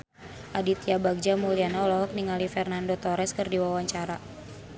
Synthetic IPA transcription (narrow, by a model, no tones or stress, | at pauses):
ʔadit̪iabaɡ̚d͡ʒamulianalɔɦɔk̚niŋalifɛrnandot̪ɔɾɛskɨrdiwawaɲt͡ʃaɾa